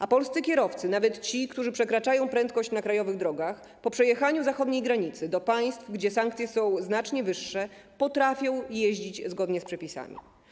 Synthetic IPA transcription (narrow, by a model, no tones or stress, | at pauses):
apɔlst̪ɘkʲjɛɾɔft̪sɘnavɛt̪t͡ɕikt̪uʐɘpʂɛkɾat͡ʂajɔ̃w̃pɾɛnt̪̚kɔɕt͡ɕnakɾajɔvɘɣd̪ɾɔɡax | pɔpʂɛjɛxaɲuzaxɔd̪ɲejɡɾaɲit̪sɘd̪ɔpaj̃st̪fɡd͡ʑɛsaŋk̚t̪sʲjɛsɔ̃w̃znat͡ʂɲɛvɘʂːɛ | pɔt̪ɾafʲjɔ̃w̃jeʑd͡ʑit͡ɕzɡɔd̪ɲɛspʂɛpʲisa̰mʲḭ